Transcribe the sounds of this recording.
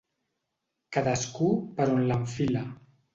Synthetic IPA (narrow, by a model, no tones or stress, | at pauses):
kaðəskupəɾonlaɱfila